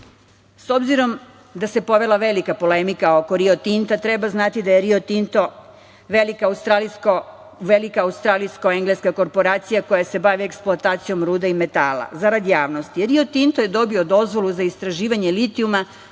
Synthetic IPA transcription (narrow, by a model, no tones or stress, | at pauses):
so̞bziɾo̞m | d̪ase̞po̞ʋe̞lˠaʋelikapo̞lemikaokoɾio̞t̪int̪at̪ɾebaznat̪id̪ajeɾiot̪int̪o | ʋelikaust̪ɾalisko | ʋelikaːust̪ɾaːlijskoeŋɡleskako̞ɾpo̞ɾaːt̪sijako̞jase̞baʋieksploat̪aːt̪sijo̞mɾuːd̪aime̞t̪aːla̰zaɾad̪jaːʋno̞st̪iɾio̞t̪int̪ojed̪o̞bio̞d̪o̞zʋo̞luzaist̪ɾaʒiːʋaɲelit̪iuma